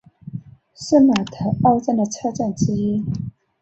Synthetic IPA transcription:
ʂ̩˥˩ma˨˩t̪ʰə˨˩o˥˧ʊt͡sə˥˧nd̪ə˨t͡sʰɤ˥˧ʈ͡ʂa˥˩nʈ͡ʂɻ̩˥i˥

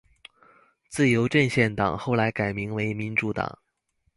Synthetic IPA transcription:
t͡sɹ̩˥˩jo˧˥ʊʈ͡ʂə˥˧nɕjɛ˥˩nt̪ɑ̰˨˩ŋxo˥˩ʊla˧˥ɪka˨˩ɪmi˧˥ŋwe˧˥ɪmi˧˥nʈ͡ʂu˧˥t̪ɑ̰˨˩˦ŋ

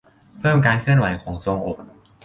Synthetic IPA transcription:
pʰɤː˥˩mkaː˧nkʰɯ˥˩ənwa˨˩˦jkʰɔː˩˦ŋso˧ŋʔoː˨˩t̪̚

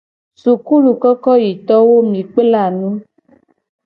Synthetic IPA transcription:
su˨ku˦lu˨kɔ˦kɔ˦ji˨t̪ɔ˦wo˦mĩ˨k͡pe˦la˦˨nũ˦

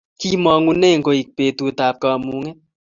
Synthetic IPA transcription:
ki˦mɔ˨˧ŋu˦ne˦˨ŋ̩˨ko˧i˨k̚pe˨tu˧taː˨p̚ka˧mu˧˦ŋe˦

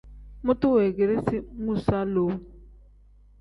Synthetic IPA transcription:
mʊ˦tu˦wɛ˨ɡe˨ɾi˦si˦ŋu˦˨sa˦lo˨˦

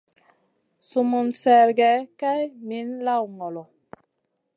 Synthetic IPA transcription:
su˨mu˨nsɛ˨ɾɡɛ˨˦ka˦jmi˨˦nla˦˨wŋɔ˨lɔ˨

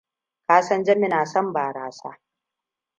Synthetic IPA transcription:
kaː˦sɐ˦nd͡ʒɐ˦mɪ˦naː˨sɐ˦mbaː˨ɾaː˦sa̰ː˦

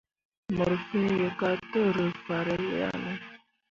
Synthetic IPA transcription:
mə˨ɾfu˦jə˨ka˦tə˦ɾə˨fa˨ɾə˦lja̰˦˨nə˦

